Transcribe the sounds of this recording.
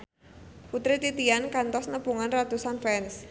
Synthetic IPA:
put̪ɾit̪it̪iankant̪ɔsnəpuŋanrat̪usanfɛns

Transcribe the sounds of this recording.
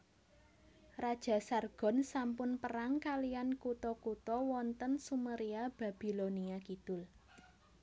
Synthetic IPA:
rad̥ʒ̥a̤sarɡ̥ɔ̤nsampʊnpəɾaŋkalijankut̪ɔkut̪ɔwɔnt̪ənsuməɾiab̥a̤b̥i̤loniakid̪̥ʊ̤l

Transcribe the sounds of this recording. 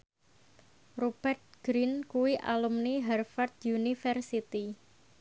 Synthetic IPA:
rob̥ɛrt̪̚ɡ̥ɾinkuwiʔa̰lumniɦɛrfart̪̚junifɛrsit̪i

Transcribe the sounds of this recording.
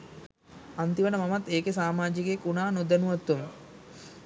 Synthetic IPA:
ant̪iʋənəmamat̪ːeːkesaːmaːd͡ʒikekunaːnod̪enuʋat̪ːumə

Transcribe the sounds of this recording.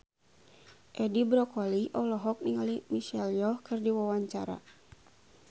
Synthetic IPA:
ʔɛdibɾɔkɔliʔɔlɔɦɔk̚niŋalimiʃɛljɔhkɨrdiwawaɲt͡ʃa̰ɾa̰

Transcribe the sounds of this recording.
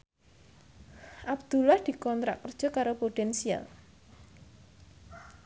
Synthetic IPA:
ʔabd̪̥ṳlahd̪̥i̤kɔnt̪ɾa̰kːərd̥ʒ̥ɔ̤kaɾopot̪ɛnsia̰l

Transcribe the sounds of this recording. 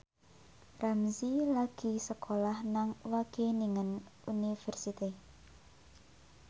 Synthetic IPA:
ramsilaɡ̥i̤səkʰolahnaŋwaɡ̥eniŋənunifɛrsit̪i

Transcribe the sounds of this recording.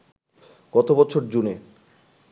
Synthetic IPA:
ɡ̥ɔt̪obɔt͡ɕʰoɾd͡ʑune

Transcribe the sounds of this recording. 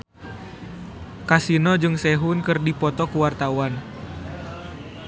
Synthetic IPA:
kasinɔd͡ʒɨŋsɛɦunkɨrdipɔt̪ɔkuwart̪awan

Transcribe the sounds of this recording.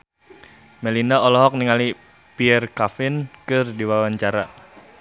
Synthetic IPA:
mɛlinaɔlɔɦɔk̚niŋali | piɛrkafɪnkɨrdiwawaɲt͡ʃaɾa

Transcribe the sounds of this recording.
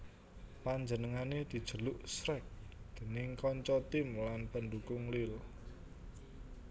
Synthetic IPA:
paɲd͡ʒənəŋaned̪̥i̤d̥ʒ̥ə̤lʊʔsɾɛk̚d̪̥e̤nɪŋkɔɲt͡ʃɔt̪ɪmlanpənɖukʊŋlɪl

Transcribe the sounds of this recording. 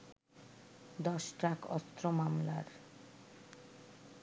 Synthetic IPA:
d̪ɔʃʈakɔ̰st̪ɾomamla̰ɾ

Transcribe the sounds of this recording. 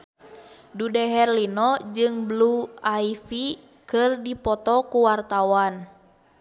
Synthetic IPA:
dudɛɦɛrlinɔd͡ʒɨŋbluaifi | kɨrdipɔt̪ɔkuwart̪awan

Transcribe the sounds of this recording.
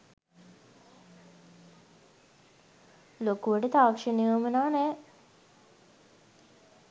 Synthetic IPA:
lokuʋəʈət̪aːʋɐkʂəniəmunaːnɛː

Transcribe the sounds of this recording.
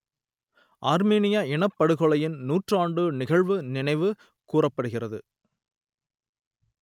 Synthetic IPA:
ʔaːɾmeːnɪjaɪɳɐpːɐɽɯɣɔɭɐjɪnnuːʈraːɳɖɯnɪɣɐɻʋɯnɪnɐɪʋɯ | kuːrɐpːɐɽɯɣɪrɐðɯ

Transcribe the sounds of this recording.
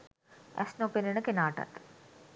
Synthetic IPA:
ɛ̰snopenenəkenaːʈa̰t̪

